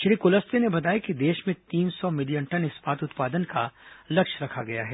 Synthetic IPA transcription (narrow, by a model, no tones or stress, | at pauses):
ʃɾiːkʊləst̪enebɐt̪aːjakid̪eːʃmẽt̪iːnsɔmɪlijə̃ɳʈɐnɪspaːt̪ʊt̪paːd̪ənkalɐkʃɾɐkʰaɡɐjaɦɛː